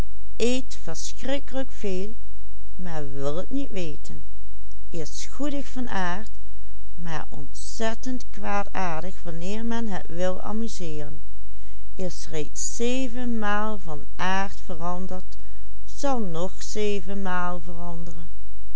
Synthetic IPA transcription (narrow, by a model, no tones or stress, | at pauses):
ʔejtfəɹsxrɪkələkfeːlˠ | maːɹʋɪlˠətnitʋejtʰən | ʔɪsxudəxfɑnʔaːɹt | ma̰ːɹʔɔ̰ntsɛtəntkʋaːtaːɹdəxʋɑnɪːɹmɛnɦətʋɪlˠɑ̰myzɪːrən | ɪsrejts | eːvənmaːlˠvɑnʔaːɹtfərɑndəɹt | z̥ɑlˠnɔxsejvənmaːlˠvərɑndərən